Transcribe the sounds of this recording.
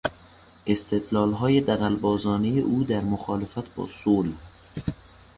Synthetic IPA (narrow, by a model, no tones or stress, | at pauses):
ʔe̞st̪ʰed̪lɒːlɦɒːje̞d̪æɣælbɒːzɒːnejeʔuːd̪æɾmoxɒːle̞fæt̪ʰbɒ̰ːsoːl